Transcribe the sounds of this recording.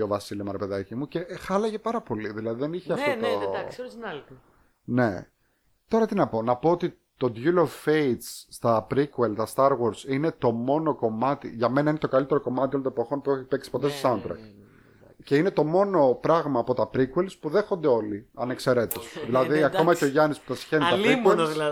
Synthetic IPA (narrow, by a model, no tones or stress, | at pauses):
o̞vɐsilomɐɾepe̞ðɐcimuce̞xɐlɐʝe̞pɐɾɐpo̞liðilɐðiðeniçeɐfft̪ot̪o | ne̞̰ | t̪o̞ɾɐt̪inɐpo̞nɐpo̞ot̪i | t̪o̞d̪ʝulovfeit̪sːt̪ɐpɾikuelt̪ɐst̪ɐɾɣoɾsine̞t̪o̞mo̞no̞ko̞mɐt̪ḭʝɐme̞nɐinet̪o̞kɐlit̪e̞ɾoko̞mɐt̪iolont̪oepoxo̞npueçipeksi̥po̞t̪estosɐunt̪ɾɐ̰k̚t̪ | ce̞ine̞t̪o̞mo̞no̞pɾɐɣmɐːpo̞t̪ɐpɾikwe̞lspuðe̞xond̪eo̞liɐne̞kse̞ɾe̞t̪osðilɐððiɐko̞mɐceo̞ʝɐnispu̥t̪ɐsi̥çe̞nit̪ɐɾiwel